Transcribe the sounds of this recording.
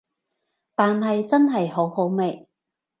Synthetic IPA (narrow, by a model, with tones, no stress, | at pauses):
t̪aː˨nɦɐ˨jt͡sɐ˥nɦɐ˨jho˨˥who˨˥wme˨˩j